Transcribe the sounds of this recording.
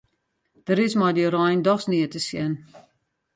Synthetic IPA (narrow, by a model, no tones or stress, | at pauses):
d̥əɾɪsmɔjdəɾɔjndɔsniətəsjɛn